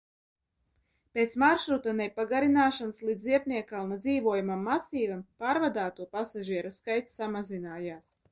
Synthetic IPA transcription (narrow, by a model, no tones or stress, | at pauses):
pʲeːt̪smaɾʃɾut̪anɛpaɡaɾinaːʃanslˠiːd̪zziɛpnʲiɛkaːunad̪ziːvuɔjumamːasiːvampaːɾvad̪aːt̪uɔpasaʒiɛɾaskajt̪sʲsamazinaːjaːs